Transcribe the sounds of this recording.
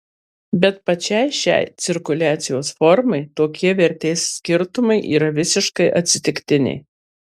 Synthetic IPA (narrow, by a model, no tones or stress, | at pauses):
bʲɛt̪̚pɐt͡ʃʲɛɪʃʲɛ̰ɪt̪sʲɪɾkʊlʲæːt̪sʲɪjoːsfɔɾmɐɪt̪oːkʲiɛʋʲɛɾʲt̪ʲeːsːʲkʲɪɾt̪ʊmɐɪʔḭːɾɐʋʲɪsʲɪʃkɐɪʔɐt̪ʲsʲɪt̪ʲɪkt̪ʲɪnʲɪ̰